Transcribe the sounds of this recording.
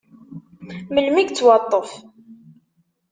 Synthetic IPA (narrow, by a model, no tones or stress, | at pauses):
məlmiɡt͡sːwɑt̪ˤːəf